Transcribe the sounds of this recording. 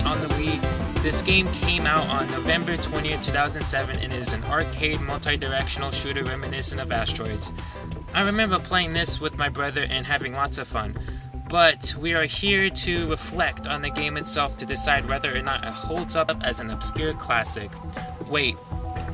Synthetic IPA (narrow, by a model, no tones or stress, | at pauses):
n̩ðəwikðɪsɡ̥ẽɪ̃mkʰẽɪ̃maʊɾn̩noʊvɛ̃mbə˞tʰw̥ɛ̃ñiɨ̥tʰʉθaʊzɨ̃n̩d̥sɛvɨ̃nɨ̰̃nɪzɨ̃nɑɹkʰeɪd̚mʌlˠtʰaɪdə˞ɛkʃn̩l̩ˠʃʉɾə˞ɹɛmɨnɪʃɨ̃nʌvæstɹ̥ɔɪdz̥ | ʔaɪɹɨmɛ̃mbə˞pʰl̥eɪɪ̃ŋðɪswɨðmaɪbɹʌðə˞ʔɨ̃nɦævɪ̃ŋwɑtsʌv̥fʌ̃nb̥ʌt̚wiə˞hiɹɾɨɹɨflɛk̚tn̩ðɨɡẽɪ̃mɨtsɛlˠftʰɨdɨsaɪd̚wɛðə˞ːnəɾʔɨ̰hoʊlˠdzʌpɨznɨb̥skjʊɹkʰl̥æsɪkweɪt̚